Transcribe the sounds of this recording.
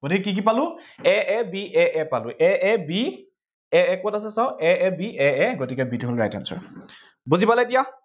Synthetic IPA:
ɡ̥otikɛkik̬ipalʊɛʔɛbiʔɛʔɛpalʊʔɛɛbi | ɛɛkotas̬ɛsaʊ̃ʔɛɛbiɛɛɡotikɛbituɦolɹa̰jta̰nsɔ̰ɹ | buzipalɛetija

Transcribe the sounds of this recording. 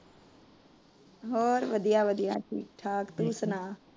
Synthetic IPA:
ɦoːɾʋəd̪ʱijaːʋəd̪ijaːʈʰḭːk̚ʈʰaːkt̪uːsənaː

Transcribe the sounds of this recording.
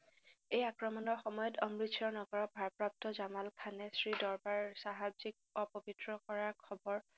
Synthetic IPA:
ejakɹɔmɔnɔɹxɔmɔjɔtɔmɹitʰjɔɹnɔɡɔɹɔbʱaɹpɹap̚tɔzamalkʰanɛsɹidɔɹbaɹsaɦabzik̚ɔpɔbitɹɔkɔɹaɹkʰɔbɔɹ

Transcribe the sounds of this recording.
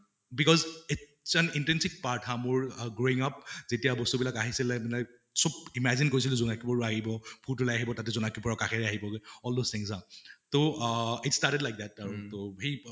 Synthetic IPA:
bikɔzit | sɛnintɹɛnsik̚paɹtʰamʊɹɡɹoiŋap̚zetijabɔstubilakaɦisilɛbila | sɔbimɛzinkoɹis̬ilʊzɔnakipɔɹɔaɦibɔbʱutʊlajaɦibɔtatɛzɔnakipɔɹakakʰɛɹɛaɦibɔɡɔldost̪ʰĩŋsatoitstaɹtɛdlajk̚d̪ɛt̚aɹtohej

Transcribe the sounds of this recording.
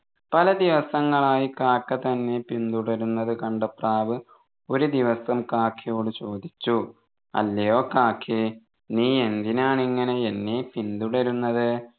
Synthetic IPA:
pɐlɐd̪iʋɐsɐŋːɐɭaːjikaːkːɐt̪ɐnːe̞pind̪uɽɐɾunːɐðɨkɐɳɖɐpraːʋɨ | o̞ɾud̪iʋɐsɐmkaːkʰːijo̞ːɽɨt͡ɕo̞ːd̪it͡ɕːu | ɐ̰lːɐjo̞ːkaːkʰːi | niːe̞nd̪inaːɳiŋːɐne̞enːepind̪uɽɐɾunːɐðɨ

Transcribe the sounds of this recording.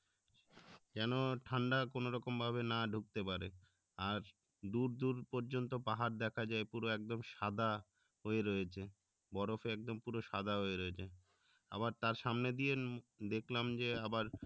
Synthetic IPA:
d͡ʑɛnoʈʰaɳɖakonoɾɔkombʱaβenaɖʱuk̚t̪epaɾe | aɾ | d̪uɾd̪uɾpoɾd͡ʑont̪opaɦaɾd̪ɛkʰad͡ʑaepuɾoɛk̚d̪omʃad̪ʱa | ɦoeɾojet͡ɕʰe | bɔɾofeɛk̚d̪ompuɾoʃad̪ʱaɦoeɾoet͡ɕʰe | a̰baɾt̪aɾʃamned̪ijed̪ekʰlamd͡ʑeabaɾ

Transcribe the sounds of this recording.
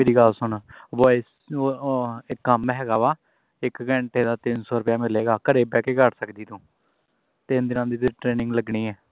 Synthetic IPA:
meːɾiːɡəlsʊɳʋɔːɪs | ɪkːəmɦɛːɡaːʋaː | ɪkɡɛɳʈeːd̪aːt̪ɪnsɔːɾʊpjaːmɪleːɡaːkəɾeːbɛːkeːkəʈsəkd̪iːt̪ũː | t̪ɪnd̪ɪnãːd̪iːt̪ʈɾeːnɪ̃ŋɡləɡɳiːɛː

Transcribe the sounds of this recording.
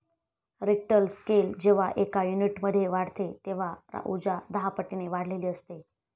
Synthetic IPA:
ɾik̚ʈəlskeld͡ʑeʋ̤aʔekajuniʈməd̪ʱːjeʋaɽ̤t̪et̪eʋ̤aɾa̰ʔud͡ʑad̪aɦapəʈːineʋaɽ̤leliːəst̪e

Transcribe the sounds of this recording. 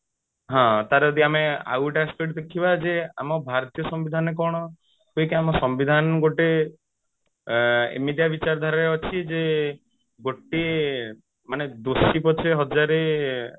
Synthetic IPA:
ɦãt̪aɾɔd̪iamea̰wʈaskɔɽid̪ekʰibad͡ʒea̰mɔbʱaɾt̪ijɔsɔmbid̪ʱanek̬ɔɽ̃ɔ | kuikeamɔsɔmbid̪ʱanɡoʈe | ḭmid̪ʱjabit͡ʃaɾd̪ʱaɾaɾeɔt͡ʃʰid͡ʒe | ɡoʈe | maned̪osipɔt͡ʃʰeɦɔd͡ʒaɾe

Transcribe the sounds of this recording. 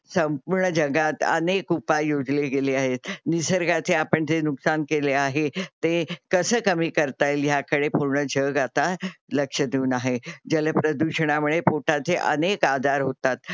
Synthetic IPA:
səmpuɾɳəd͡ʑəɡat̪ə̰nekupajjod͡zleɡeleaɦet̪nisəɾɡat͡seapəɳd͡zenuksankeleaɦet̪ẽkəsəːkəmiːkəɾt̪ajljakəɽepuɾɳəd͡ʑʱəɡat̪aləkʂəd̪iunaɦed͡zələpɾəd̪uɕəɽ̃amuɭepoʈat͡seʔə̰nekad̪aɾɦot̪at̪̚

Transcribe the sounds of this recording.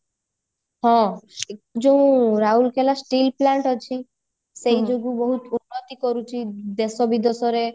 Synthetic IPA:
ɦɔ̃ | d͡ʒeũɾaulkʰelasʈilplaɳʈɔt͡ʃʰi | sejd͡ʒoɡubɔɦut̪unːɔt̪ikɔɾut͡ʃʰid̪esɔbid̪ɔsɔɾe

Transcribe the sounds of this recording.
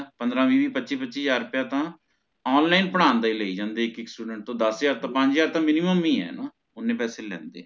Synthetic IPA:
pənd̪ɾãːʋiːbiːpətːʃiːpətːʃiːd͡ʒaːɾʊpjaːt̪ãː | ɔːnlaːɪnpəɽ̃aːnd̪aːiːləiːd͡ʒãːnd̪eːɪkɪksʈuːɖəɳʈ̚t̪õːd̪əsjaːɾt̪ãːpə̃ɲd͡ʒd͡ʒaːɾt̪ãːmɪnɪməmːĩːɛ̰ːnõː | ʊnːẽːpɛːseːlɛ̰̃ːnd̪ḛːɛː

